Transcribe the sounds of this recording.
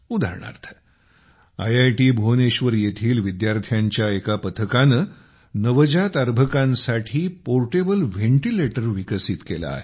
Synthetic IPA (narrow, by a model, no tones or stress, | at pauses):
ud̪ʱa̰ɾɳa̰ɾt̪ʰə̥ | ajajʈiːbʱoneɕʋəɾjet̪ʰiːlʋid̪jaɾt̪ʰjaɲt͡ɕjaekapət̪ʰəkanə | nəʋəd͡ʑat̪aɾbʱəkãnsaʈʰiːpoɾʈebəlʋeɳʈileʈəɾʋikəsit̪kela̰ːɦe